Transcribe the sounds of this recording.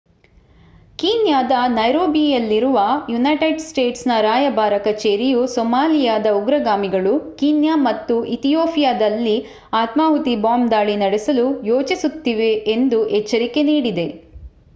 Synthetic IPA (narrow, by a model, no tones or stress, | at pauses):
kiːnjaːd̪ɐnɐjɾoːbijɐlːiɾuʋɐjunɐjʈeɖsʈe̞ːʈsnɐɾaːjɐbaːɾɐkɐt͡ʃeːɾijusɔmaːlijaːd̪ɐuɡɾɐɡaːmiɡɐɭukiːnjamɐt̪ːuʔit̪ijoːpʰijaːd̪ɐlːi | aːt̪maːɦut̪ibaːmd̪aːɭinɐɽesɐlujoːt͡ʃisut̪ːiʋe̞ːnd̪uʔɛt͡ʃːɐɾike̞niːɽid̪e̞